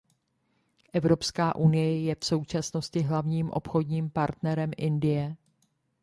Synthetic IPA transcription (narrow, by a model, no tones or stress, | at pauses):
ʔɛvɾo̞pskaːʔunɪjɛjɛfso̞wt͡ʃasno̞scɪɦlavɲiːmʔo̞̰pxo̞dɲiːmpaɾt̪nɛɾɛmʔɪndɪjɛ